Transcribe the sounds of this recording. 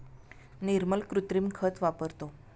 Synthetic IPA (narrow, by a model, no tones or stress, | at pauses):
niɾməlkɾut̪ɾimkʰət̪ʋapəɾt̪o